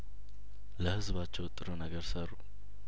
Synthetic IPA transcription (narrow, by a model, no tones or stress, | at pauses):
ləhɨzbat͡ʃːɛwt̪ʼːɨɾunəɡəɾsəɾu